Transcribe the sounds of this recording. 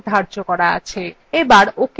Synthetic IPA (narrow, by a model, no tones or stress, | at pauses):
d̪ʱaɾd͡ʑokɔɾaa̰t͡ɕʰe | ebaɾok